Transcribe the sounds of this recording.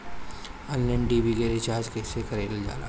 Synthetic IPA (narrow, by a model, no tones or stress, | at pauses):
ənlɛ̃ɳɖiːbikeɾɪt͡ʃaːɾd͡ʒkesekɐɾeːld͡ʒa̰ːla̰ː